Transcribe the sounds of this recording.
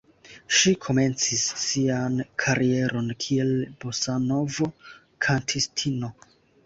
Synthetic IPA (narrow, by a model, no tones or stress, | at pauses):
ʃikʰo̞me̞nt͡sisːiankʰaɾie̞ɾʔo̞nkʰie̞lb̥osano̞vo̞ | kʰantʰistʰino̞